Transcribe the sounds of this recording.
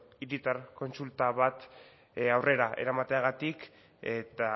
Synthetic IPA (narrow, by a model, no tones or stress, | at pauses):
iɾit̪arko̞nsult̪aβat̪ | awre̞ɾaʔe̞̰ɾamat̪e̞aɣat̪ik | et̪a